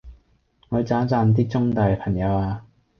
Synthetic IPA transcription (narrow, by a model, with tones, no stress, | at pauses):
ŋɔː˨˧jt͡saː˨˥t͡saː˧nt̪̬iː˥t͡sʊ˥ŋt̪aː˨jpʰɐ˨˩ŋjɐ˨˧waː˧